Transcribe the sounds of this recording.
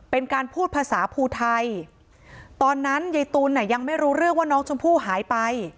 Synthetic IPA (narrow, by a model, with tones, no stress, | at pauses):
pe˧nkaː˧npʰuː˥˩t̪̚pʰaː˧saː˩˦pʰuː˧t̪ʰa˧j | t̪ɔː˧nːa˦˥nja˧jt̪uː˧nːa˧˥˩ja˧ŋma˥˩jɾuː˦˥ɾɯ˥˩ək̚waː˥˩nɔː˦˥ŋt͡ɕʰo˧mpʰuː˥˩ɦaː˩˦jpa˧j